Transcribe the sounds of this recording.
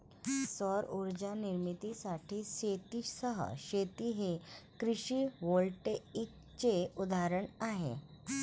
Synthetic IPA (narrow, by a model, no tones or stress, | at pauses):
səɾuɾd͡ʑaniɾmit̪isaʈʰiːɕet̪isəɦə̰ɕet̪iɦekɾiɕiːʋolʈeik̚ | t͡ɕeud̪ʱaɾəɳaɦḛ